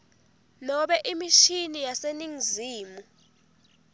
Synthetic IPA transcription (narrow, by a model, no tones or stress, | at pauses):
nɔɓɛʔimiʃinijaseniŋziːmu